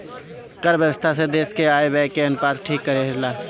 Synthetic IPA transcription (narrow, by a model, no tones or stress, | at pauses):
kəɾbjəwəst̪ʰas̬ed̪eːskeaːebɛːkeɐnʊpaːd̪ʈʰiːkːəɾeɦɪɾlaː